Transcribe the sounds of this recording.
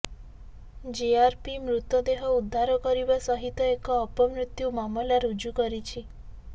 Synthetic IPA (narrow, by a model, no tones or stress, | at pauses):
d͡ʒiaɾpimɾut̪ɔd̪eɦɔud̪ʱːaɾɔkɔɾibasɔɦit̪ɔekɔːpɔmɾut̪jumamɔlaɾud͡ʒukɔɾit͡ʃʰi